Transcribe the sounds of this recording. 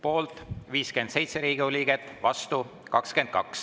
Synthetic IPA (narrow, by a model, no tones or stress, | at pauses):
po̞ːlt̪viːske̞nd̪̥se̞jt̪seɾiːɡioliːɡet̪ːˑvɑst̪u | kɑkske̞nd̪̥̚kɑ̰ks